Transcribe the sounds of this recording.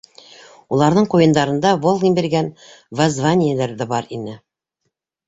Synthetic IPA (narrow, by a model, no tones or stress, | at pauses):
ulˠɑɾðɤɴqujɤ̆nd̪ɑɾɤ̆nd̪ɑvolˠɡ̪ʲimbiɾɡænvazvanʲɪjelæɾðæbɑɾinɘ